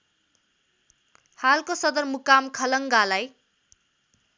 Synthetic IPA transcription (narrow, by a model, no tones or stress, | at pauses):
halkosʌd̪ʌrmukamkʰʌlʌŋɡalaj